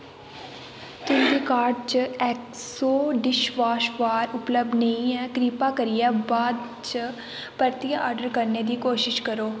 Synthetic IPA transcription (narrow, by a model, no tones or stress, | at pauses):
t̪ʊmɡ̪iːkaːɾɖt͡ʃɛːksoːɖɪʃʋaːʃʋaːɾʊpləb̚d̪nəɦĩɛːkɾiːpaːkəɾijabaːd̪ | t͡ʃə | pəɾt̪ijaʔɔːɾɖəɾkəɾned̪iːkoːʃɪʃkəɾoː